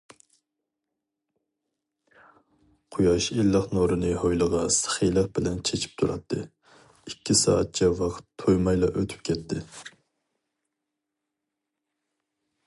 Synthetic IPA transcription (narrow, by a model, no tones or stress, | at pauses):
qʰʊjɑʃelːəqnoɾɨnɨɦojlˠəʁɑsə̥χilˠəq̚b̥ɪlɛnt͡ʃʰet͡ʃʰi̥p̚t̪ʰuɾɑ̰t̪ʰːɨ | ikʲʰːisɑ̰ːɑt̪̚t͡ʃʰɛwɑqʰə̥t̪ʰːojmɑjlˠɑʔøt̪ʰy̥p̚kʲʰɛt̪ʰːɪ